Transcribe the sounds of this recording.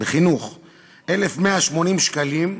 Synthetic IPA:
beχinuχ | ʔelefmeaʃmo̞nimʃkalim

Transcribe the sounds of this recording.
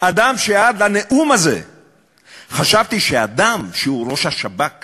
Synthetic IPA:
ad̪amʃejaad̪laneʔumazḛ | χaʃavt̪iʃead̪amʃeuɾo̞ʃaʃabak

